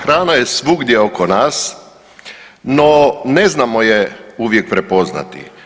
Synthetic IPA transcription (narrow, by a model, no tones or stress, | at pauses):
xɾaːnajesʋuɡd̪jeokonaːs | noneznamojeuʋjek̚pɾepo̞zna̰t̪ḭ